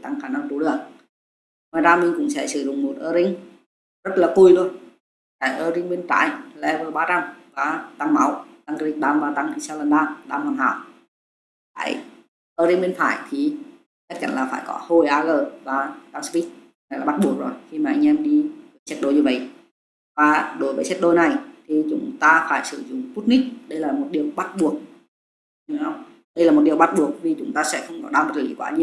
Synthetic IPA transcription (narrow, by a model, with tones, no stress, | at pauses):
t̪a˧ŋxaː˧˩na˧ŋt̪u˨˧˦lɨ˧˩əŋ | maː˨˩zaː˧mi˧ŋ̟kʊ̰˧˥ŋ͡msɛ̰˧˥sɨ˧˩zʊ̰˧˨ŋ͡mmo˨˩t̚ʔəː˧zï˧ŋ̟ | zə˦˥t̚laː˨˩ku˧˩jɗu˧ə | kaː˧˩jʔəː˧˩ɾi˧ŋɓe˧nta̰ː˧˥˨jlɛ̰˧˥vəː˨˩ɓaː˧t͡ɕa˧mvaː˨˩t̪a˧ŋma˨˦wt̪a˧ŋki˧t̚ɗaː˧mvaː˨˩t̪a˧ŋʔa˧ŋsɛ˧wlə˨˩nɗaː˧mɗa̰ː˧mhaː˨˩nɦa̰ː˧˨w | fa̰ː˧˩j | ʔəː˧zi˧ŋɓe˧nfa̰ː˧˩˨jt̪ʰi˨˩ | t͡ɕa˦˥k̚t͡ɕa̰˧˨nlaː˨˩faː˧˩jkɔ̰˨˦ho˧˩jʔaː˧ɣəː˨˩vaː˨˩t̪a˧ŋspi˦˥t̚ | naː˨˩jlaː˨˩ɓt̚ɓu˨˩ək̚zo˨˩jxi˧maː˨˩ʔa˧ŋ̟ʔɛ˧mɗi˧vəː˨˦jsɛ˦˥t̚ɗo˧jɲɨ˧və̰˧˨jʔ | vaː˨˩ɗo˨˦jvəː˨˦sɛ˦˥t̚ɗo˧˩jna˨˩jt̪ʰi˨˩t͡ɕʊ̰˨˦ŋ͡mt̪aː˧faː˧˩jsɨ̰˧˩zʊ̰˧˨ŋ͡mpu˦˥t̚ni˦˥k̚ɗə˧jlaː˨˩mo˨˩t̚ɗi˨˩əwɓa˦˥t̚ɓu˨˩ək̚ | ə˧wŋ͡m | ɗə˧jlaː˨˩mo˨˩t̚ɗi˨˩əwɓa˦˥t̚ɓu˨˩ək̚vi˨˩t͡ɕʊ˨˦ŋ͡mt̪aː˧sɛ̰˧˥xə˧wŋ͡mkɔ˨˦ɗaː˧wmə˨˩˨ḭ˨˦kwaː˨˧˦ɲi˧əw